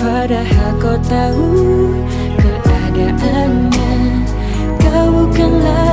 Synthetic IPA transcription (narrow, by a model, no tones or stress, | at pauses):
paɾahakɔwt̪a | u | kəʔadaʔa | nɲa | t̪aukanla